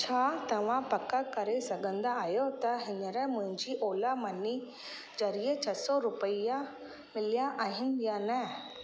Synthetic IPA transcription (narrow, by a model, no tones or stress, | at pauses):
t͡ʃʰaːt̪ɐʋãpɐkakɐɾesɐɡʱə̃nd̪aaːjot̪ɐɦɪnəɾɛmʊ̃ɦɪ̃ɲd͡ʑiʔoːlamɐni | d͡ʒɐɾiet͡ʃʰɐsɔɾʊpəija | mɪlijaʔaːɦɪ̃njanɛ